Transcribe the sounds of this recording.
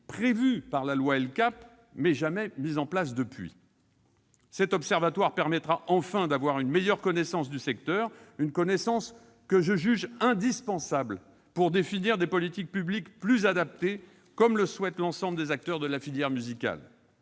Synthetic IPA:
pχevypaʁlalwaɛlkap | mɛʒamɛmizɑ̃plas̬d̪əpɥḭ | sɛt̪ɔpsɛʁvat̪waʁpɛʁmɛt̪χaʔɑ̃fɛ̃d̪avwaʁynmejœʁkɔnɛsɑ̃sd̪ysɛk̚t̪œʁynkɔnɛsɑ̃s | kəʒəʒyʒɛ̃d̪ispɑ̃sabl | puʁd̪efiniʁd̪epɔlit̪ik̚pyblikplyzad̪ap̚t̪e | kɔmləswɛt̪lɑ̃sɑ̃bld̪ezak̚t̪œʁd̪əlafiljɛʁmyzikʲa̰l

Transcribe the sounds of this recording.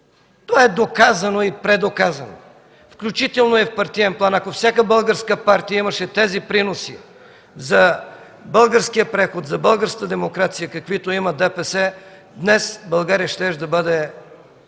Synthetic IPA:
t̪ovaɛd̪okazɐnoipɾɛd̪okazɐno̰ | fklʲut͡ʃit̪ɛlˠnoɛfpɐɾt̪ijɛnplˠanɐkofsʲjakəbɤlˠɡəɾskəpaɾt̪ijəiməʃɛt̪ɛzipɾinosi | zɐ | bɤlˠɡəɾskijəpɾɛxot̪zɐbɤlˠɡəɾskəəd̪ɛmokɾat̪sijəkɐkvit̪oimɐd̪ɛpɛsɛ | d̪nɛsbɐlˠɡaɾijəʃt̪ɛʒd̪ɐbɤd̪ɛ

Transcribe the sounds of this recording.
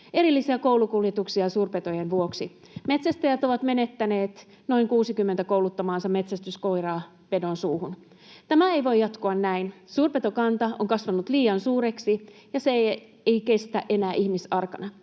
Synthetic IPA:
e̞ɾilːisiæko̞wlukuljet̪uksiɑsuːrpe̞t̪o̞jenʋuo̞ksi | me̞t̪sæst̪æjæt̪o̞ʋɑt̪me̞ne̞t̪ːæne̞ːt̪ | no̞iŋkuːsikymːent̪æko̞wlut̪ːɑmɑːnsɑmːe̞t̪sæst̪ysko̞jrɑː | pe̞do̞nsuːhun | t̪æmæejʋo̞jːɑt̪koɑnːæinsuːrpet̪o̞kɑnt̪ɑo̰ŋkɑsʋɑnut̪liːɑnsuːɾe̞ksijɑse | ejke̞st̪æʔe̞næːʔihmisɑrkɑnɑ

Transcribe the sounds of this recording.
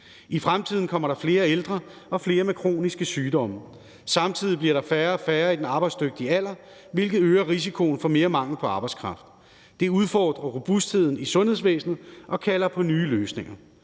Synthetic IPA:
ifʁamt͡sʰið̰ˠn̩kʰɒ̽m̰ɐɾ̥ɑ̈fle̝ːɐeld̥ʁɐ | ʔɒ̽fle̝ːɐmekʰʁo̝̰ːnisɡ̥əsyːd̥ɒ̽mə | sɑ̈mt͡sʰið̞̰ˠib̥liɐɾ̥ɑ̈fæɐfæːɐid̥enɑ̈ːb̥ɑ̈ɪd̥sd̥øɡ̥̚d̥iəæl̰ɐ | ʋe̝lɡ̥ð̩ˠøːɐʁisikʰo̝n̩fɒ̽me̝ːɐmɑ̈ŋ̰l̩pʰɒ̽ɑ̈ːb̥ɑ̈ɪskʰʁɑ̈fd̥ː | e̝uð̞ˠfɒ̰ːd̥ʁɐʁob̥usd̥he̝ð̞̰ˠn̩isɔ̽nhe̝ðˠs̬ʋḛːsnð̩ˠʔɒ̽kʰælɐpʰɒ̽nyːløːsne̝ŋɐ

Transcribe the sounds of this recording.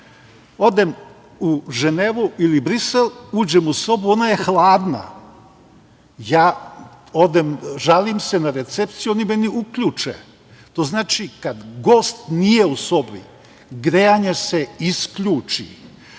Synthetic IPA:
o̞d̪em | uʒeneʋuilibɾiseluːd͡ʑemuso̞buo̞naje̞xlˠaːd̪na̰ | jaː | od̪emʒalimsenaɾe̞t̪sep̚t̪sijonimeniukʎuːt͡ʃḛ | t̪o̞ːznaːt͡ʃikad̪ɡo̞ːst̪nije̞uso̞bḭ | ɡɾeaɲeseiskʎuːt͡ʃḭ

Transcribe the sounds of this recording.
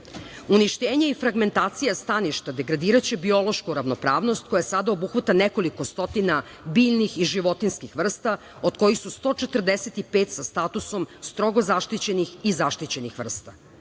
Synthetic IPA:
uniʃt̪eːɲeifɾaɡme̞nt̪aːt̪sijast̪aniʃt̪ad̪e̞ɡɾad̪iːɾat͡ɕebio̞lo̞ʃkuɾaʋno̞pɾaːʋno̞st̪̚ko̞jasad̪ao̞buxʋat̪aneko̞liko̞st̪o̞t̪ina | biːʎnixiʒiʋo̞t̪inskixʋr̩st̪a | od̪̥ko̞jixsust̪o̞t͡ʃe̞t̪r̩d̪eset̪ipeːt̪sast̪at̪uso̞mst̪ɾo̞ɡozaʃt̪it͡ɕe̞nixizaʃt̪it͡ɕe̞nixʋr̩st̪a

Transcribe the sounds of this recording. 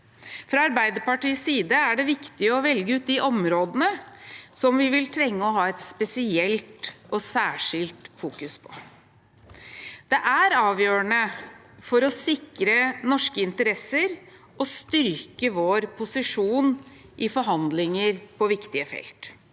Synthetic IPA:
fɾɑɑɾbæɪd̪əɾpɑʈiːsːiːd̪əæɖɛʋɪkt̪ɪəɔʋɛlɡəʉːt̪̚d̪ɪʔɔmɾoːd̪ənəsɔmʋɪʋɪlt̪ʰɾɛŋːəɔɦɑːɛt̪spɛsɪɛlt̪ɔsæːʂɪlt̪fuːkʉspʰɔ̥ | d̪̥ɛʔæɾɑːʋjøːənə | fɔɾɔsɪkɾənɔʂkəɪnt̪əɾɛsəɾ | ɔst̪ʏɾkəʋoːɾpʰʊsɪʂuːn | ʔɪfɔɾɦɑnd̪lɪŋəɾpʰɔʋɪkt̪ɪəfɛ̰lt̪

